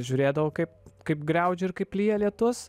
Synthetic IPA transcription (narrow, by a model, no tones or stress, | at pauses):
ʒʲʊːɾʲeːd̪ɐʋoːkɐɪpkɐɪpɡɾʲɛʊd͡ʒʲʊɪɾkɐɪplʲiːjɛlʲiɛt̪ʊs